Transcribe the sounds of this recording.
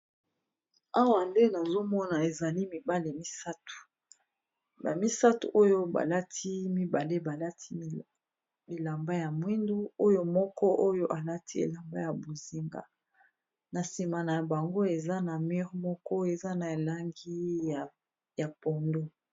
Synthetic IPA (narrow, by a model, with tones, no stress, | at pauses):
a˦wa˨nde˦na˨zo˦mɔ˦na˨e˨za˨li˦mi˨ba˦le˨mi˦sa˦tu̥˨ | ba˨mi˦sa˦tṵ˨ʔo˦jo˦ba̰˨la˦tʰi˦mi˦ba˨le˦ba˨la˦tʰi˦ | mi˨la˨mba˦ja˨mwi˦ndu˦o˦jo˦mɔ˦kɔ˦ʔo˦jo˦ʔa˨la˦tʰi˦ḛ˨la˨mba˦ja˨bo˨zi˦ŋɡa̰˨ | na˨si˨ma˨na˨a˨ba˨ŋɡo˦e˨za˦na˨mi˦ʁmɔ˦kɔ˦e˨za˦na˨e˨la˦ŋɡi˦˨ | ja˨pɔ˨ndo˦